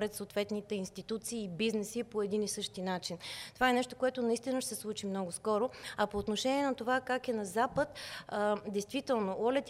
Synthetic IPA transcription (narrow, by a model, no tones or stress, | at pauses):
ɾɛt̪soːt̪vɛt̪nit̪ɛinst̪it̪ut̪siːbiznɛsipoɛd̪inisɤʃt̪inat͡ʃint̪ovaɛnɛʃt̪o̥koɛt̪ʊnɐist̪inəʃɛslˠut͡ʃimnɔɡʊskɔɾoɐpoːt̪noʃɛniɛnɐt̪ovakakɛnɐzapət̪ | d̪ɛjst̪vit̪ɛlˠnoʔɔlɛt̪